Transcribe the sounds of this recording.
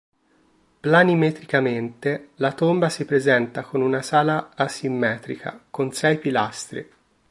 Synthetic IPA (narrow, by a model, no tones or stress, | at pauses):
planimet̪ɾikament̪elat̪ombasipɾezɛnt̪akonunasaːlaːsimːɛːt̪ɾḭkʰa̰konsɛjpilast̪ɾḛ